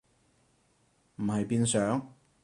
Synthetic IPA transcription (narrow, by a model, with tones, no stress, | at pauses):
m̩˨˩hɐ˨jpiː˧nsœː˨˥ŋ